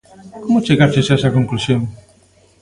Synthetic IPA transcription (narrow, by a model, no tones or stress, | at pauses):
komot͡ʃeɣaɾt͡ʃesaesakoŋklusjoŋ